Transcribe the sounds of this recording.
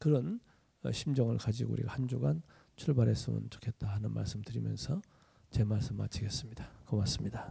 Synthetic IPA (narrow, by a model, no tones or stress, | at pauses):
kɯɾʌn | ʌ̰ɕʰimd͡ʑʌŋɯɭkad͡ʑiɡoṵɾḭɡahand͡ʑuɡan | t͡ɕʰuɭbaɾes͈ɯmɯ̰nt͡ɕo̥kʰe̞t̚t͈ahanɯnmʔa̰ɭs͈ɯmtɯɾimjʌ̰nsʰʌ | t͡ɕe̞maɭs͈ɯmma̰t͡ɕʰiɡe̞s͈ɯmɲid̥akʌmas͈ɯmɲida